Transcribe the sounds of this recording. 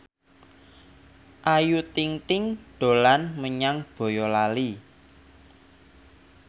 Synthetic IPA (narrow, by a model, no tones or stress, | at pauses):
ʔajut̪iŋt̪ɪŋɖ̥o̤lanməɲaŋb̥o̤jɔlali